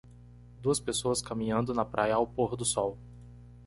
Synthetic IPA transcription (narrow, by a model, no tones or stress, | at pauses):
d̪uɐspesoɐskamĩɲɐ̃nd̪ʊnɐpɾʔajɐːwpoɦʊd̪ʊsɔw